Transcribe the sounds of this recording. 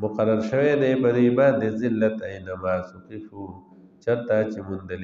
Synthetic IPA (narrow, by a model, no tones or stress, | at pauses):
mʊqɐɾɐɾʃəwed̪eːpɐd̪ibaːnd̪ezɪlːɐt̪ɐinamaːsukiʃu | t͡ʃɐt̪at͡ʃimʊnd̪ɐli